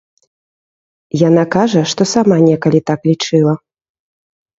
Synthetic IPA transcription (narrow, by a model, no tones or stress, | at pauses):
janakaʐɐʂt̪ɔsamanʲɛkɐlʲit̪aklʲit͡ʂɨlˠɐ